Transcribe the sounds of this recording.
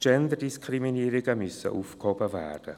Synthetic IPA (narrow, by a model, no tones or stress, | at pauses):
d͡ʒɛndəɾdiskʰriminiːɾɪɡəmʏsə̰ʔuːfkhɔbəvɛ̰rd̥ə̰